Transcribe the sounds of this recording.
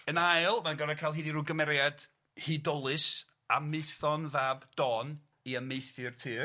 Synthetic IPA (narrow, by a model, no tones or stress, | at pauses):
ənajlˠmanɡaɾakʰajlˠɦiːdiɾuːɡəmɛɾjad̥ | hidɔlˠɨs | a̰mɨɨθɔnvaːbd̥ɔn | iəmejθɨrtʰɨː